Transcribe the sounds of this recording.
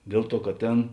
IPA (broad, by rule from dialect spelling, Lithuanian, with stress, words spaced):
ˈdʲeːlˠ ˌtuɔ kɐt ˈtʲeːn